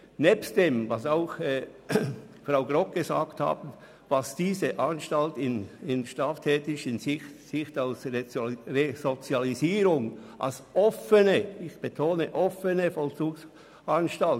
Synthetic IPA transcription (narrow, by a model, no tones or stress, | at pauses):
nɛːpst̚d̥eːmvɑsaʊxɛ | fraʊɡʁɔk̚ɡ̥əza̰ːktha̰ːbn̩ | vɑsd̥iːzəʔanʃtaltɪnɪnʃtaːftʰɛːtɪʃɪnsɪxtalsrezot͡sjaliziːɾʊŋʔa̰lsʔɔfənəɪçb̥etʰoːnəʔɔfənəfɔlt͡suːks | anʃtal